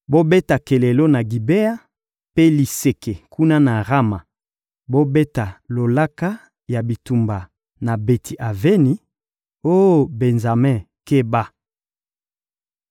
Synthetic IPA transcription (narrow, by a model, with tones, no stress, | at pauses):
bo˦be˦ta˨ke˨le˨lo˦na˨ɡi˨be˦a˦ | pe˦li˨se˨ke˨kʰu˦na˦na˨ʁa˦ma˨ | bo˦be˦ta˨lo˨la˦ka˦ | ja˨bi˨tu˨mba˨ | na˨be˨tʰi˨ʔa˨ve˦ni˨ | o˦˨be˨nza˨mɛ̃˦˨ | ke˦ba˦